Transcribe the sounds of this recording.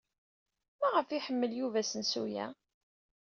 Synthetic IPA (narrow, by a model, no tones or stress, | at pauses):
mæʁəfiħəmːəljuvæsənsujæ̰